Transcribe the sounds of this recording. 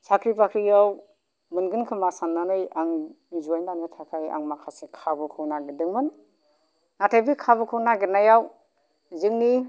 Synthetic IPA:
sakʰɾipakʰɾijaw | mɯnɡɯnkʰɯmasanːanɯjaŋ | zuajnanɯtʰakʰaja̰ŋmakʰasekʰabɯkʰɯwnaɡɯdɯŋmɯn | natʰajbikʰabɯkʰɯwnaɡenajaw | zɯŋni

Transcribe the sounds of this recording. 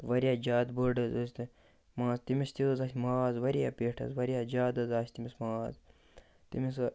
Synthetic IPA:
t̪ɨʋɐɾʲijaːd͡ʒaːd̪boɖɐzəsʲt̪ɨ | mãːzt̪imist̪izasʲmaːzʋɐɾija̰ːpʲeːʈʰɐ̰zʋɐɾijaːd͡ʒaːd̪ɐzaːst̪imismaːz | t̪ḭmis

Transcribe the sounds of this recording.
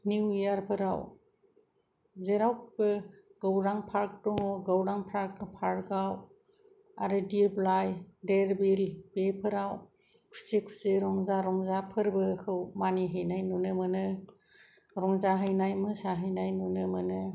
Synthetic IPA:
niwijaɾpʰɯɾaw | zeɾawkbɯɡ̥awɾaŋpʰaɾk̚dɔŋɔɡawɾaŋpʰɾaɾk̚ɯpʰaɾɡaw | aɾɯdiɾblajdeɾbilbepʰɯɾaw | kʰu̥sikʰu̥siɾɔŋzaɾɔŋzapʰɯɾbɯkʰɯwmaniɦɯjnajnunɯmɯnɯ | ɾɔŋzaɦɯjnajmɯsaɦɯjnajnunɯmɯnɯ

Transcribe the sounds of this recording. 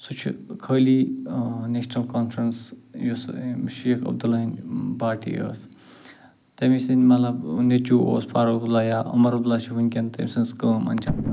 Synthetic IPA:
sut͡ʃʰḭkʰəːli | neʃnɐlkoːnfʰɾɐnsjosʃeːkʰɐ̰b̚d̪ulɐinbaːʈḭə̰ːs | t̪emisinmɐlɐbned͡ʒuo̰ːspʰaːɾolaːjaʔɐ̰mɐɾɐb̚d̪ulat͡ʃʰiɦunʲkʲent̪ḛmʲisɨnskəːmɐ̰nʲd͡ʒʰan

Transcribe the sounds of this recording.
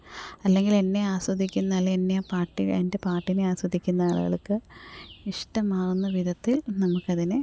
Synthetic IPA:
ɐlːe̞ŋɡile̞nːe̞aːswɐd̪ʱikʲːunːɐɐlːɐenːepaːʈːiḛnde̞paːrʈːineaːswɐd̪ʱikʲːunːɐaːɭṵɣɐ̰ɭkːɨiʂʈɐmaːrunːɐʋid̪ɐt̪ːilnɐmukːɐðinɨ

